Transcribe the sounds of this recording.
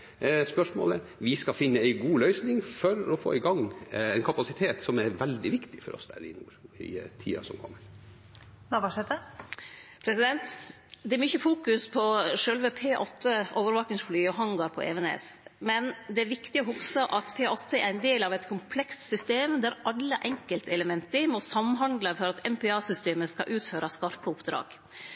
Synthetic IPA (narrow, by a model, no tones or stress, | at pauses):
spœʂmo̰ːləʋɪskɑfɪnːəæɪɡuːlœʏsnɪŋfɔɾɔfo̰ːɪɡɑŋɛnkʰɑpɑsɪt̪ʰeːt̪sɔmæɾʋɛld̪ɪʋɪkt̪ɪ̥fɔ̰ɾɔ̰sd̪æ̰ɾɪ̰nṵːɾɪ̰t̪ʰḭːɑ̰sɔ̰mkʰɔmːəɾ | nɑʋɑʂɛt̪ə | pʰɾɛsɪd̪ɛnt̪ | d̪ɛæɾmʏçːəfuːkʉspʰɔʂœlʋəpʰeːʔɔt̪ʰːəʔoːʋəɾʋɑːknɪŋsflyːɔɦɑŋɡɑɾpʰɔ̰ʔɛ̰ʋɛnḛːsmɛnd̪ɛæɾʋɪkt̪ɪɔɦʊksəʔɑt̪pʰeːɔt̪ʰːəæɾɛnd̪eːlɑʋɛt̪kʰʊmpʰlɛkst̪sʏst̪eːmd̪æɾɑlːəʔɛŋkəlt̪ʰɛləmɛnt̪əmɔsɑmɦɑnd̪ləfɔɾɑt̪ɛmpɛɑːsʏst̪eːməskɑ̰ʔʉːt̪føːɾʔɑskɑɾpəʊpd̪ɾɑ̰ːɡ̥